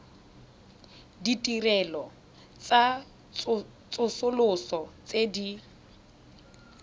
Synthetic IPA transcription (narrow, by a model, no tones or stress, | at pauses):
ditʼirɛlɔ | t͡sʼa | t͡sʼʊsʊlʊsɔt͡sʼedi